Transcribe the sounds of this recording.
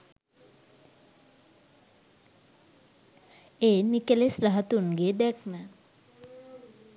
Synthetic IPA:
eːnikelesɾəɦət̪uŋɡeːd̪ɛkʰnə

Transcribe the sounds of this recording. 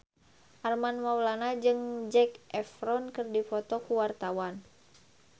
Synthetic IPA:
ʔarmanmawlanad͡ʒɨŋd͡ʒɛkʔɛfɾɔnkɨrdifɔt̪ɔkuwart̪awan

